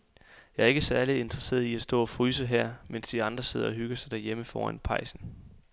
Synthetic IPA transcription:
jɑ̈æɐe̝ɡ̥əsæɐlie̝nd̥ʁɐse̝̰ːɐð̩ˠiæsd̥ɔ̰̽ːɒfʁyːs̬əɦæɐ̰men̰sd̥iɑ̈nd̥ʁɐse̝ð̞ˠɐɒ̽ɦyɡ̥ɐsɑ̈ɪd̥æɐjeməfɒ̰ːænpʰɑ̈ɪ̰sn̩

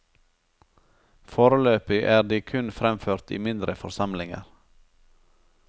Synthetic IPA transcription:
foːɾəløːpɪʔæːɖ̪iːkʰʉnfɾɛmføːɾt̪ḭːmɪnd̪ɾəfɔɾsɑmlɪŋə̰ɾ

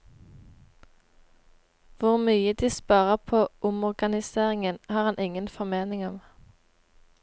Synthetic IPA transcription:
ʋʊʁmyːəd̪iːspɑːʁəpʰoːʔʊmɔʁɡɑnɪseːʁɪŋənhɑːʁhɑnʔɪŋənfɔʁmeːnɪŋɔm

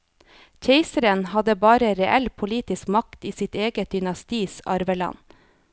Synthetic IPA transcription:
çʰeɪsəɾənhɑd̪əbɑːɾəɾɛʔɛlpʰʊliːt̪ɪskmɑkt̪iːsɪt̪eːɡəd̪ʏnɑst̪iːsɑɾʋəlɑ̰n

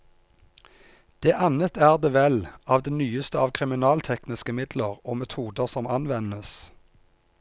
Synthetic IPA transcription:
d̪̥eːʔɑnət̪æːʁd̪eːʋɛlɑːʋd̪eːnyːəst̪əɑːʋkʰʁɪmɪnɑːlt̪ʰɛknɪskəmɪd̪ləʁoːmɛt̪ʰuːd̪əʁsɔmɑnʋɛnəs

